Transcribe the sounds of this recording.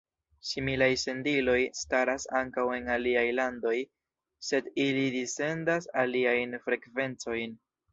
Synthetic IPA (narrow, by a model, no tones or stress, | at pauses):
similajse̞ndilo̞jstaɾasaŋkawe̞naliajlando̞j | se̞dilidise̞ndasaliajnfɾe̞kve̞nt͡so̞jn